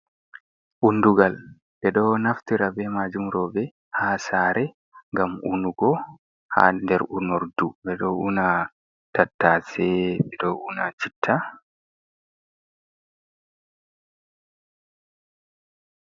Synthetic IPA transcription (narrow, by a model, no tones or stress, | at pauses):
ʔunduɡal | bɛɗɔnaftiɾabɛmad͡ʒumɾɔbɛ | hasaːɾɛ | ŋɡamʔunduɡɔ | ha̰ndɛɾunɔɾdubɛɗɔʔuna | tatːasɛbɛdɔʔunat͡ʃitʰːa